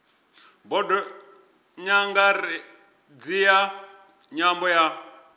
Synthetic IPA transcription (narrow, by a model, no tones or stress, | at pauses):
bɔdɔ | ɲaŋɡaɾɛ | d͡zija | ɲambɔja